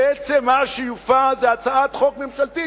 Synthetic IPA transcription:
et͡semːaʃijufazeat͡saat̪χokmemʃalt̪i

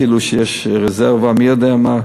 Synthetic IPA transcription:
iluʃejeʃʁezeʁvamijod̪eama

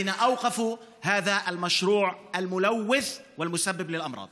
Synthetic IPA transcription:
ɪnaʔawqɑfuhaːðaʔalmaʃɾuːʕʔalmʊlawːɪθwɪlmʊsabːɪblɪlʔɑmɾˤɑ̰ːd̪

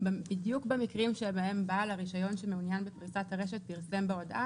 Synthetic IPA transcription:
bbidjukbemikʁimʃebaembaːlaʁiʃajo̞nʃemeunjanbepʁit͡sat̪haʁe̞ʃ̬et̪̚piʁsembeo̞dʔa

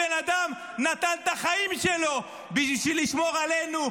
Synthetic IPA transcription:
enad̪am | nat̪ant̪aχaimʃelo̞ | biʃʃiliʃmo̞ʁale̞nu

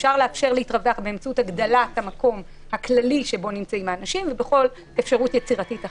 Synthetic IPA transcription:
fʃaʁleafʃe̞ʁlehitʁaveaχbeːmt͡sautaɡd̪alathamako̞m | haklaliʃebo̞nimt͡saimaːnaʃimvebe̞χo̞l | efʃaʁutjet͡siʁatita

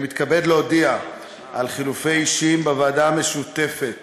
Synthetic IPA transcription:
mit̪kabe̞dleodia | ʔalχilufejiʃimbevaːdaːme̞ʃut̪e̞fe̞t

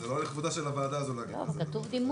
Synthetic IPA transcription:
zeloleχvud̪aʃelavaːd̪aːzolaɡovkat̪uvd̪im

